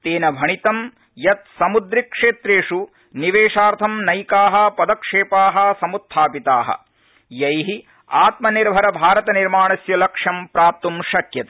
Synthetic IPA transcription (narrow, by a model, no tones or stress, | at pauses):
t̪eːnɐbʱɐɳit̪ɐm | jɐt̪̚sɐmud̪ɾikʂeːt̪ɾeːʂu | niʋeːʂaːɾt̪ʰɐmnɐjkaːɦɐpɐd̪ɐkʂeːpaːɦɐsɐmut̪ʰːaːpit̪aːɦɐ̰ | jɐjɦi | aːt̪mɐniɾbʱɐɾɐbʱaːɾɐt̪ɐniɾmaːɳɐsjɐlɐkʂɐmpɾaːp̚t̪umʃɐkjɐt̪e